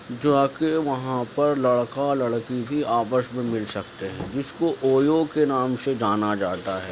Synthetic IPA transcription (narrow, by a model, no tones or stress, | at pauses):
d͡ʒaːkeʋɐɦãpɐɾlɐɽkalɐɽkibʱiaːpəʃmẽmɪlsɐkt̪eɦɛ̃ːd͡ʒɪskoʔoːjokenaːmsed͡ʒaːnad͡ʒaːt̪aɦɛː